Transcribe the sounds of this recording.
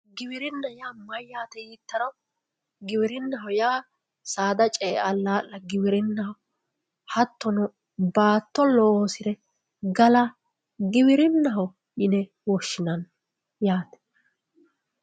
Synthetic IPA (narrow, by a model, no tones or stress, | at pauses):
ɡɪbɪɾɪnːɐjaːmɐjːaːt̪ɛjiːt̪ːɐɾɔ | ɡɪbɪɾɪnːɐɦɔjaː | saːd̪ɐt͡ʃʼɛːʔɐlːaːlːɐɡɪbɪɾɪnːɐhɔ | hɐt̪ːɔnʊ | baːt̪ːɔlɔoːsɪɾɛ | ɡɐlɐ | ɡɪbɪɾɪnːɐɦɔ | jɪnɛ | wɔʃːɪnɐn | jaːt̪ɛ̥